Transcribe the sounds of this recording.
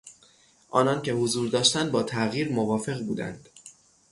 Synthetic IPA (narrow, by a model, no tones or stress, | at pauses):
ʔɒːnɒncʰe̞hozuːɾd̪ɒːʃt̪ænd̪̚bɒːt̪ʰæɣiːɾmovɒːfe̞ɣbuːd̪æ̰nd̪̥